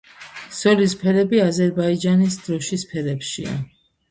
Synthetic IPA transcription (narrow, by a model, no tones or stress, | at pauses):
sɔlispʰɛɾɛbiazɛɾbaid͡ʒanisd̪ɾɔʃispʰɛɾɛpʃḭa̰